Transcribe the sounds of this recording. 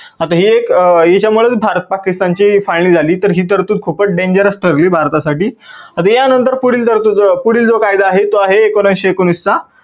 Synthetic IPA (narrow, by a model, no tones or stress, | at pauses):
at̪aɦiːekjet͡ɕjamuɭət͡sbʱaɾt̪̚pakist̪ant͡ɕiːfajliːd͡zʱaliːt̪əɾɦiːt̪əɾt̪uːt̪̚kʰupəɖẽɲd͡ʑəɾəsʈəɾliːbʱaɾt̪asaʈiːat̪ajanənt̪əɾpuɽiːlt̪əɾt̪uːt̪puɽiːld͡zokajd̪aːɦet̪oaɦeːkʋəɾənɕekonust͡sa